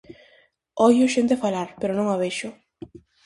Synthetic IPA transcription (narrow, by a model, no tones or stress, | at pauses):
ɔjoʃent̪efalaɾpeɾonõŋaβeʃʊ